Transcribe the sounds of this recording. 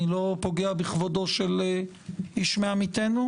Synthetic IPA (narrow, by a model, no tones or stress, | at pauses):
ilo̞po̞ɡeabiχvodo̞ʃel | iʃmeamit̪enu